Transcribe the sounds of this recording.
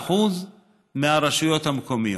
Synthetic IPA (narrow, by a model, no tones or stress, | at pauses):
ħuz | meaɾeʃujo̞t̪hamkomijo